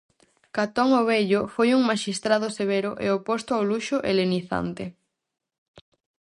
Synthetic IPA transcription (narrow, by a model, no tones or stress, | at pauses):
kat̪ɔŋoβeʎofojuŋmaʃist̪ɾaðoseβ̞eɾʊʔḛopost̪ʊawluʃʊʔeleniθa̰nt̪e